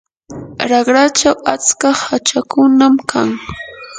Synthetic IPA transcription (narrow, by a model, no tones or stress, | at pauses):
ɾɑɢɾat͡ʃawat͡skahat͡ʃakʊnamkʰaŋ